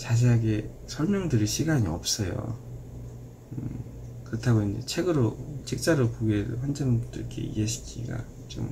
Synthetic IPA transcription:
t͡ɕaɕ̬ʰiaɡe | sʰʌɭmjʌŋdɯɾiɕʰiɡaɲiʌp̚s͈ʌjo̰ | ɯ | kɯɾʌtʰaɡoind͡ʑḛt͡ɕʰe̞ɡɯɾot͡ɕik̚t͡ɕ͈aɾopoɡiedoɸwand͡ʑanɯbut͈ʰʌikʰe̞̰ḭeɕʰi̥kʰḭɡa̰ | t͡ɕo̰m

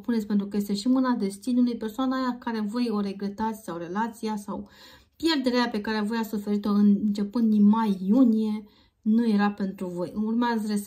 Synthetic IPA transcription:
punet̪sʲpent̪ɾukəje̞st̪e̞ʃimɨnad̪e̞st̪inulujpe̞rsoanajakaɾe̞vo̞jo̞ɾe̞ɡɾe̞t̪at̪sʲsawɾe̞lat̪sijasaw | pje̞rd̪e̞ɾeape̞kaɾevo̞jasufe̞ɾit̪o̞ɨnnt͡ʃe̞pɨnd̪inmajːunije̞ | nuje̞ɾape̞nt̪ɾuvo̞jɨmurmeazres

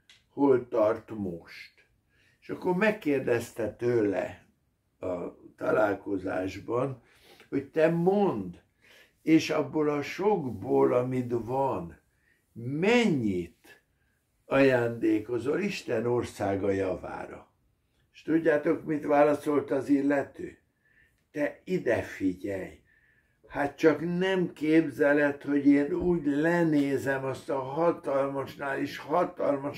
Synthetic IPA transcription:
holt̪ɒrt̪moʃt̪ | eʃɒkːormɛkːeːrd̪ɛst̪ɛt̪øːlɛ̰ | ɒt̪ɒ̰laːlko̞za̰ːʒbɒn | ho̞ct̪ɛmond̪ | eːʃɒbːolɒʃoɡboːlɒmit̪vɒn | mɛɲːit̪ | ɒjaːnd̪eːko̞zoliʃt̪ɛno̞rsaːɡɒjɒva̰ːɾɒ̰ | eʃt̪uɟːaːt̪o̞kmit̪ʋaːlɒso̞lt̪ɒzilːɛt̪y̰ː | t̪ɛid̪ɛfiɟɛ̰j | hat̪̚t͡ʃɒknɛmkeːbzɛlɛt̪ho̞ɟeːnuːɟlɛneːzɛmɒst̪ɒɦɒt̪ɒlmɒʃnaːliʃhɒt̪ɒlmɒʃ

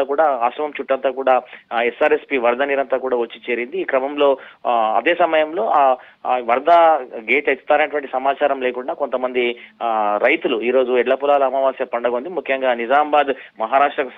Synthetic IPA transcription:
aːkuːɽaːaːsɐmɐmt͡ʃuʈːɐnt̪aːkuːɽaːesaːɾespiʋɐɾd̪ʱɐniːɾɐnt̪aːkuːɽaːʋɐt͡ʃːit͡ʃeːɾind̪iːkɾɐmɐmlo̞ːɐ̰d̪eːsɐmɐjɐmlo̞ːaː | ʋɐɾd̪ʱaɡe̞ːʈɐt̪u̥t̪aːnɐnɐʈuʋɐɳʈisɐmaːt͡ʃaːɾɐmle̞ːkuɳɖaːko̞nt̪ɐmɐnd̪i | ɾɐjt̪uluiːɾo̞ːd͡ʒuɛɖlɐpulaːlɐɐmɐʋaːsjɐpɐɳɖɐɡo̞nd̪imukʰjɐŋɡaːnid͡ʒaːmbaːd̪mɐɦaːɾaːʂʈɾɐku

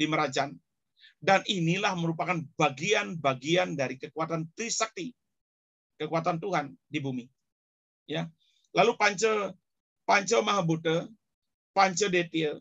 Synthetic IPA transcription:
diməɾad͡ʒan | daninilahməɾupakanbaɡianbaɡiandaɾikəkuat̪ant̪ɾisak̚t̪i | kəkuat̪ant̪uɦandibumi | ja | lalupaɲt͡ʃə | paɲt͡ʃəmaɦabut̪ə | paɲt͡ʃədet̪i

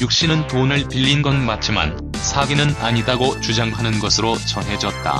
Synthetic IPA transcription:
juk̚ɕ͈inɯnponɯɭpiʎːinɡʌnmat͡ɕ͈ʰima̰n | sʰaɡinɯnaɲidaɡot͡ɕud͡ʑaŋɦanɯnɡʌsʰɯɾot͡ɕʌŋɦe̞d͡ʑʌt̚t͈a̰

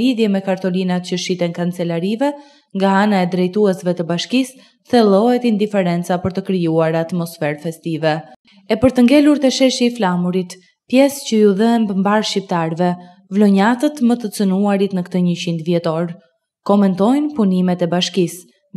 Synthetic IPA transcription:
liðjɛmɛkaɾt̪ɔlinat̪cəʃit̪ɛŋkant͡sɛlaɾivɛ | ŋɡaanaɛd̪ɾɛjt̪uɛsvɛt̪əbaʃkis | θɛlˠɔɦɛt̪ind̪ifɛɾɛnt͡sapəɾt̪əkɾijuaɾat̪mɔsfɛɾfɛst̪ivɛ | ɛpəɾt̪əŋɡɛluɾt̪ɛʃɛʃiːflamuɾit̪ | pjɛscəjuðəɦɛmbəmbaɾʃip̚t̪aɾvɛ | vlɔɲat̪ət̪mət̪ət͡sənuaɾit̪nəkt̪əɲət͡ɕind̪vjɛt̪ɔɾ | kɔmɛnt̪ɔjnpunimɛt̪ɛbaʃkis

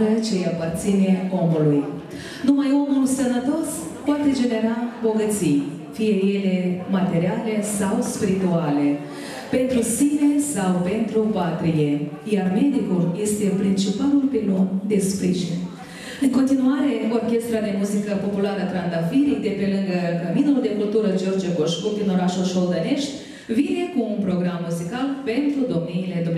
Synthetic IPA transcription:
ɾət͡ʃe̞japart̪sine̞o̞muluj | numajo̞mulsənət̪o̞s | poat̪e̞d͡ʒe̞ne̞ɾabo̞ɡət̪sij | fije̞je̞le̞mat̪e̞ɾiale̞sawspiɾit̪uale̞ | pe̞nt̪ɾusine̞sawpe̞nt̪ɾupat̪ɾijeijaɾmed̪ikulest̪epɾint͡ʃipalurpilond̪espɾiʒinʲ | ɨŋkont̪inuaɾekuorkʲest̪ɾad̪emuzikəpopulaɾət̪ɾand̪afiɾid̪epelɨŋɡəkɐminuld̪ekult̪uɾəd͡ʒoɾd͡ʒeɡoʃkud̪inoɾaʃuʃold̪aneʃt̪ʲ | vinekuːmpɾoɡɾamːuzikalpent̪ɾud̪omniled̪o

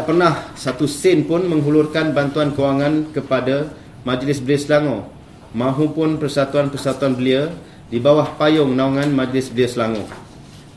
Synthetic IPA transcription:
aʔpərnahsat̪usɪnpʊnmə̃ŋɦulʊrkanbant̪uankəwaŋãnkəpada | mãd͡ʒlɪsbəliəslaŋo | mãɦupʊnpərsat̪uanpərsat̪uanbəliə | dibawahpajʊŋnauŋãnmãd͡ʒlɪsbəliəslaŋõ̰

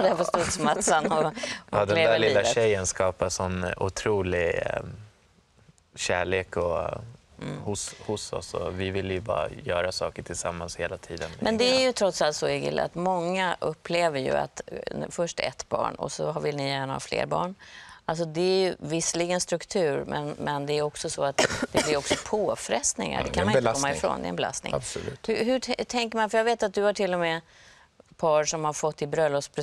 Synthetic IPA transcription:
d̪æpɔst̪ut̪smat̪sanɔd̪ɛlːæalɪiːlːavɕɛjːənskɑːpasɔnːʊ̰t̪ʰɾuːlɪ | ɕæːɭeːkɔ | hʊshʊsɔ̰sɔ̰vɪvɪlːjɵbɑ̰ːɾa̰jœːɾasɑːkəʈʰɪlsamːansheːlat̪ʰiːd̪ənmʔɛnd̪ɛæɾjɵt̪ʰɾɔt̪salt̪sɔɪɡɪ̰l̰a̰t̪mɔŋːaʔɵpʰːleːvəɾjɵ̰a̰t̪fœʂʈɛ̰t̪ːbɑ̰ːɳɔ̰sɔɦavɪlnɪjæːɳahɑ̰ːflḛːɾbɑ̰ːɳʔals̬ɔd̪ɛæɾjɵvɪsːəliɡənst̪ɾɵkt̪ʰʉ̟ːɾmʔɛnmɛnd̪ɛæːjɔksɔsɔat̪d̪ɛblɪɾɔksɔpʰoːfɾɛst̪nɪ̰ŋa̰dɛkʰanmanɪkɔmːaɪfɾo̰ːnd̪ɛ̰ɛnbɛla̰st̪nɪ̰ŋbsʉ̰ːhɵɦɵʈʰɛŋkəɾmanfœjaːɡveːt̪at̪̚d̪ɵhaʈʰɪlːɔmɛː | pʰɑːʂɔmhaɾfɔt̪ːɪbɾœlːɔspʰɾɛ

